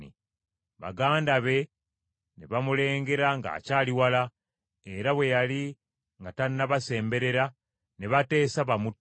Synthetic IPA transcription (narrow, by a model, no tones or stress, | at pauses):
ḭ | βa̰ɡaːndaβe̞ | neβamule̞ːŋɡe̞ɾaŋɡa̰ːcaːliwala | e̞ɾaβwe̞jali | ŋɡatannːaβase̞ːmbe̞ɾe̞ɾa | neβate̞ːsaβamu